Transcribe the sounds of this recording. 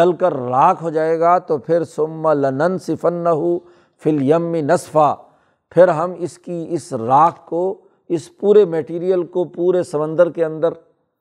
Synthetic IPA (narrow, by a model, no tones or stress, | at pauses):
ɐlkɐɾːaːkʰɦod͡ʒaːeːɡat̪opʰɪɾsʊmːɐlɐnɐnsɪfɐnːɐɦʊ | filjɐmːɪnɐsfaː | pʰɪɾɦɐmɪskiɪsɾaːkko | ɪspuːɾemɛʈiːɾijəlkopuːɾesɐmə̃nd̪əɾkeɐ̃nd̪əɾ